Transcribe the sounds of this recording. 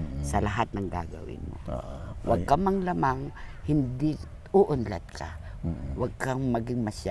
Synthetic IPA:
sɐlaɦat̪̚nɐŋɡa̰ɡɐ̰wɪ̰nmo̰ʔwa̰ɡɡ̚kamaŋlamaŋhɪnd̪ɪ | uʔʊnla̰t̪̚kʰawaɡ̚kaŋmɐɡɪŋmɐsja

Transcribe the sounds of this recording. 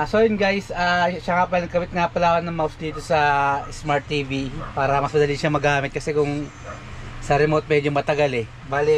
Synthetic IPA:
sojʊnɡajsaʃaŋapɐlɐkɐwɪt̪̚ŋaːpɐlaːkɐnːɐŋmawsd̪iːt̪o̞sɐsmaɹt̪ːiːvipaːɾɐmɐsmɐd̪ɐliʃɐmɐɡaːmɪt̪̚kɐsɛkʊŋ | sɐɾɛmot̪̚mɛːd͡ʒomɐt̪ɐɡalɛ | balɛ

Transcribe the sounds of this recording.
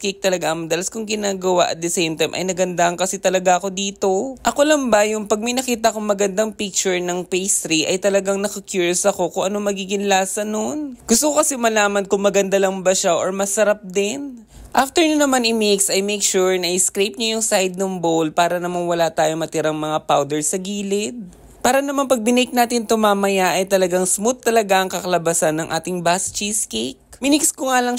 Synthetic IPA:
kik̚t̪ɐlɐɡaʔɐmɐd̪ɐlɐskʊŋɡɪnaːɡɐwaʔɐ̰t̪̚d̪ɛsejmt̪ɐjmʔɐ̰jnɐɡɐnd̪aʔɐŋkɐsɛt̪ɐlɐɡaʔɐko̞d̪iːt̪o̞ʔɐko̞lɐmbɐjʊŋpɐɡ̚mɐjnɐkiːt̪ɐkoŋmɐɡɐnd̪aŋpik̚t͡ʃʊɹnɐŋpejst̪ɾiʔɐjt̪ɐlɐɡaŋnɐkɐkjuːɹjosɐko̞koŋʔɐnomɐɡiːɡɪŋlaːsɐnonɡ̥ʊst̪okokɐsɛmɐlaːmɐnkʊŋmɐɡɐnd̪alɐŋbɐʃaʔoɹmɐsɐɾap̚d̪ɪn | ʔaft̪ɛɹɲɐnɐmanɪmeksɐjmejkʃuɹnɐʔɪskɾejp̚ɲajʊŋsajd̪̚nɐŋbowlpaːɾɐnɐmanwɐlat̪aːjo̞mɐt̪ɪɾaŋmɐŋapawd̪ɛɹsɐɡiːlɪd̪̚ | paːɾɐnɐmanpɐɡ̚bɪnɪk̚naːt̪ɪnt̪ʊmaːmɐjaʔɐjt̪ɐlɐɡaŋsmʊt̪ːɐlɐɡaɐŋkɐkɐlɐbɐsanːɐŋʔa̰ːt̪ɪŋbast͡ʃiskek̚mɪnɪkskoŋaːlɐŋ

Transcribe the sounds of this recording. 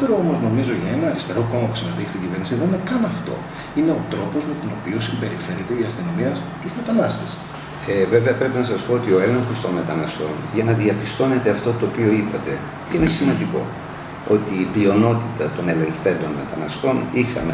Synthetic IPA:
p̪eɾoomo̞zno̞mizo̞ʝɐe̞nɐːɾist̪e̞ɾo̞ko̞mɐpu̥sinɐeçi̥st̪iɟive̞ɾnisiðeninekɐnɐft̪o̞̰ | ine̞o̞t̪ɾo̞po̞zme̞t̪ino̞pio̞simbe̞ɾife̞ɾet̪e̞iɐst̪ino̞miɐ | t̪uzme̞t̪ɐnɐst̪es | eve̞ve̞ɐpɾe̞pinɐsɐspo̞ot̪io̞e̞le̞ŋxo̞st̪o̞nme̞t̪ɐnɐst̪o̞̰nʝɐnɐðiɐpist̪o̞ne̞t̪e̞ɐft̪o̞t̪o̞ːpio̞ipɐt̪e̞ | cinesimɐnd̪iko̞̰ | o̞t̪iːplio̞no̞t̪it̪ɐt̪o̞ne̞le̞ŋθe̞nd̪o̞nme̞t̪ɐnɐst̪o̞nixɐ̰me

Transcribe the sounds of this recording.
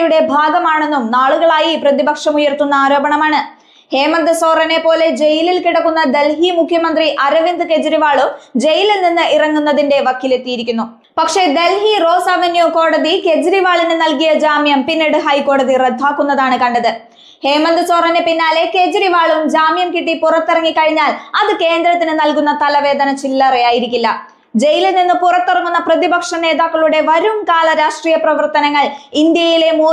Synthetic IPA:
juɽe̞bʱaːɡɐmaːɳe̞nːumnaːɭuɣɐɭaːjiprɐðibɐkʂɐmujɐrt̪unːɐaːɾo̞ːbɐɳɐmaːɳɨ | he̞ːmɐnd̪ɨso̞ːrɐne̞pːo̞ːle̞d͡ʑe̞jililkiɽɐkːunːɐd̪e̞lɦimukʰjɐmɐnd̪riʔɐɾɐʋind̪ɨke̞d͡ʑɐɾiʋaːɭumd͡ʑe̞jillninːɨirɐŋːunːɐðinde̞ʋɐkʰːilet̪ːijiɾikʲːunːu | pɐkʂe̞d̪e̞lɦiro̞ːsaʋɐnjuko̞ːɽɐðike̞d͡ʑɾiʋaːɭinɨnɐlkijɐd͡ʑaːmjɐmpinːeɽɨɦɐjko̞ːɽɐðired̪ʱːaːkːunːɐðaːɳɨkɐɳɖɐðɨ | heːmɐnd̪ɨsoːrɐnːɨpinːaːle̞ke̞d͡ʑɾiʋaːɭumd͡ʑaːmjɐmkiʈːipurɐt̪ːirɐŋːikɐɻiɲːaːlɐðɨke̞ːnd̪ɾɐt̪ːinɨnɐlkunːɐt̪ɐlɐʋe̞ːd̪ɐnɐt͡ɕilːɐrijaːjiɾikʲːulːɐ | d͡ʑejileninːɨpurɐt̪ːirɐŋːunːɐprɐðibɐkʂɐne̞ːd̪aːkːɐɭuɽe̞ʋɐɾumkaːlɐɾaːʂʈriːjɐprɐʋɐrt̪ɐnɐŋːɐɭind̪jɐjile̞muː

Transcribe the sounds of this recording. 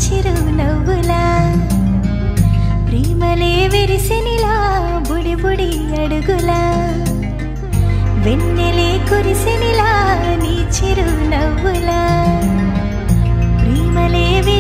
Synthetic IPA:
t͡ʃiɾu | nɐwɡɯlaː | pɾiːmɐleʋeɾisenila | buɽibuɽi | ɐɽuɡulaː | ʋenːelekuɾisenilaniːt͡ʃiɾunɐwɡula | pɾiːmɐleːʋe

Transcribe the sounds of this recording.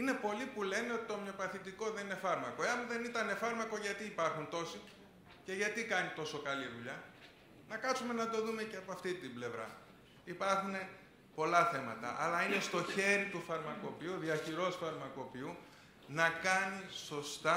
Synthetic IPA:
ine̞po̞lipule̞ne̞o̞t̪i̥t̪o̞mɲo̞pɐθit̪iko̞ðe̞nine̞fɐɾmɐko̞eɐmðe̞nit̪ɐne̞fɐɾmɐko̞ʝɐt̪iːpɐɾxunt̪o̞si | ce̞ʝɐt̪ikɐnit̪o̞so̞kɐliðuʎɐ | nɐkɐsume̞nɐd̪o̞ðume̞ceɐpoɐft̪it̪imble̞vɾɐ̰ | ipɐɾxune̞ | po̞lɐθe̞mɐ̰t̪ɐ̰ʔɐ̰lɐine̞st̪o̞çe̞ɾit̪ufɐɾmɐko̞piuðiɐçiɾo̞sfɐɾmɐko̞piu | nɐkɐniso̞st̪ɐ

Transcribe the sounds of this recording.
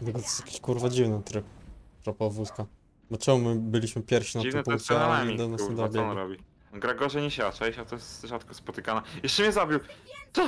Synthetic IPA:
t̪ɛɡɔt̪jakʲeɕkuɾvad͡ʑivnat̪ɾɘpt̪ɾɔpavuska | bɔt͡ʂɛmumɘbɘlʲiɕmɘpʲjɛɾfʲɕinativnmtpuŋkt͡ɕɛaamɛd̪ɛnad̪ab̪jɛnɾɔbʲi | ɡɾaɡɔʐɛɲɛɕaat͡ʂɛɕat̪ɔjɛst̪ʐat̪kɔspɔt̪ɘkanajɛʃt͡ʂɛmʲɲɛzabʲiwt̪ɔ

